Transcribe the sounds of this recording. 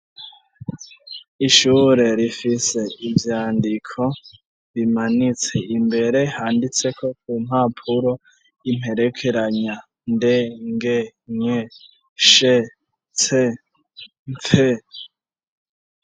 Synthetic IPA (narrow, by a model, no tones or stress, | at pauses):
iʃuːɾe̞ɾifise̞ivjaːndikʰo̞ | βimanit͡se̞imbe̞ɾehaːndit͡se̞kʰo̞kum̥haːpʰuɾo̞ | im̥he̞ɾe̞kʰe̞ɾaɲa | ndeŋɡeɲe | ʃe | t͡se | ɱp͡fe